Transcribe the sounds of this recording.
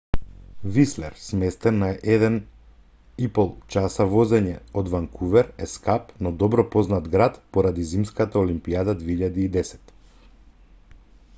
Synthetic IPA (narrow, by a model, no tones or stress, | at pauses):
vislɛɾsmɛst̪ɛnːaʔɛd̪ɛn | ipɔlˠt͡ʃasavɔzɛɲɛɔd̪vaŋkʰuvɛɾɛskapnɔd̪ɔbɾɔpɔznat̪ɡɾat̪pɔɾad̪izimskat̪aolimpiad̪ad̪veiʎad̪iːd̪ɛsɛ̥t̪